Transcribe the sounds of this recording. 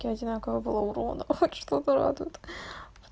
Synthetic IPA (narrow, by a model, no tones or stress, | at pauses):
kʲɪɐdʲɪnakəvəbɨlˠauɾonəxxot̪ʂt̪ot̪əɾa̰d̪ʊt̪